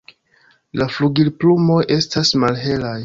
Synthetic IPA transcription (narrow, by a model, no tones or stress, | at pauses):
lafluɡilplumo̞jʔe̞stasmalɦe̞laj